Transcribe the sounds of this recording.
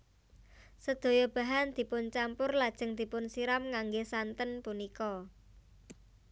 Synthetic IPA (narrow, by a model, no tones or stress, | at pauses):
səd̪̥o̤jɔb̥a̤ɦand̪̥i̤pʊnt͡ʃampʊrlad̥ʒ̥ə̤ŋd̪̥i̤pʊnsiɾamŋaŋɡesant̪ənpunikɔ